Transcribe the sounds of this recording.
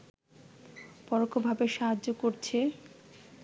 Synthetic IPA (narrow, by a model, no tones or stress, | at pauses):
pɔɾokʰːobʱabeʃaɦaːokoɾt͡ɕʰe